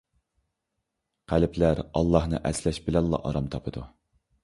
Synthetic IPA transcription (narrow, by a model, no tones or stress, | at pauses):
qʰælpʰlæɾɑlˠːɑhnɨ̰ʔɛslɛʃbɪlɛnlˠɑ̰ʔɑɾɑmt̪ʰɑpʰɨd̪u